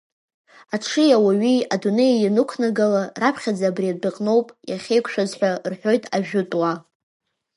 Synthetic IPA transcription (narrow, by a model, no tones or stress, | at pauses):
aʈ͡ʂʰɨjawaɥiadune̞janɨkʷʰnaɡalarapʰχʲad͡zaːbriaddɨqʼno̞wpʼjaχʲe̞jkʷʰʃᶣazħʷarħʷᶣo̞jtʼaʒᶣʊtʼwa